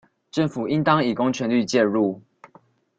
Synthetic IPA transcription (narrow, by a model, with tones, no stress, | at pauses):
ʈ͡ʂə˥˨ŋfu˨˩i˦nt̪ɑ˦ŋi˨˩ko˦ŋt͡ɕʰɥɛ˧˦nli˥˧t͡ɕjɛ˥˧ɻu˥˨